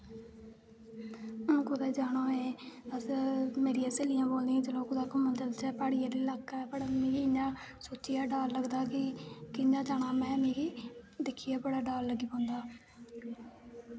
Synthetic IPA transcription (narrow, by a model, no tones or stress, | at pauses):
ʊñːkʊd̪ɛːd͡ʒaːɽ̃ãːeːəsmeːɾiãːseːlijãːboːld̪iãːd͡ʒəlõːkʊd̪aːkːmənd̪əlt͡ʃɛːpaːɽɪjaːd̪iːlakːɛːbəɽaːmĩːɡɪɲd͡ʒãː | soːt͡ʃːɪjaːɖaːlːəɡd̪aːkɪkɪɲd͡ʒãːd͡ʒaːɽ̃aːmɛ̃ːmẽːɡiːd̪ɪkʰːijaːbəɽaːɖaːlːəɡiːpɔ̃ːnd̪aː